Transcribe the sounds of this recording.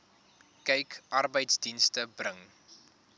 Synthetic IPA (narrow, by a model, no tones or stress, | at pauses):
kɛjkʔɐrbəjtsdinstəbrəŋ